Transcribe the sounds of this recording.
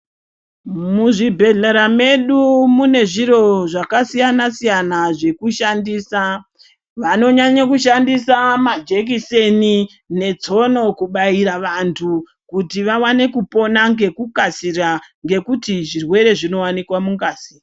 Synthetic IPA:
muʐibʱe̞ɮeɾame̞ɗumune̞ʐiɾo̞ʐakasijanasijanaʐe̞kuʃandiːsa | ʋano̞ɲaɲak̬uʃandisamad͡ʒek̬ise̞ni | ne̞t͡so̞no̞kuɓaiɾaʋantʰu | kutiʋawane̞kupo̞naŋɡe̞kukasiraŋɡe̞kutiʐirwe̞ɾe̞ʐino̞wanikwamuŋɡaːsira

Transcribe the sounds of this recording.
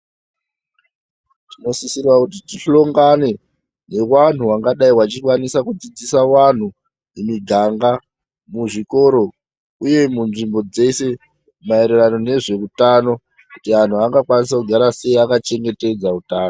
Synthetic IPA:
tino̞sisirwakut̬itiɬo̞ŋɡane̞ | ne̞wan̤uwaŋɡaɗaiwat͡ʃikwanisakud͡zid͡zisawan̤u | imiɡʱaŋɡa | muʐiko̞ɾo̞ | uje̞munʐimbo̞d͡ze̞se̞ | maeɾerano̞ne̞ʐe̞utano̞ | kutian̤uaŋɡakwanis̬akuɡʱaɾase̞iakat͡ʃe̞ŋɡe̞te̞d͡zautaːno

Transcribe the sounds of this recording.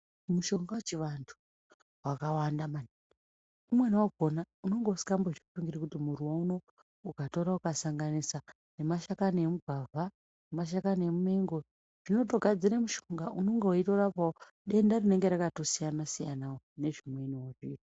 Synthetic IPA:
muʃo̞ŋɡawet͡ʃiʋantʰu̥ | wakawandamani | umwenwaɡʱo̞nauno̞ŋɡeusi̥kamboʐifuŋɡiɾikutimuɾuwauno̞ | ukato̞ɾaukasaŋɡanisa | ne̞maʃakaniemubʱavʱa | nemaʃ̬akanemumeŋɡo | ʐ̥ino̞to̞ɡʱad͡ziɾemuʃoŋɡaʔuno̞ŋɡeoito̞ɾapao | ɗe̞ndarine̞ŋɡe̞ɾakato̞sijanasijanaone̞ʐimwe̞niwoʐiːta

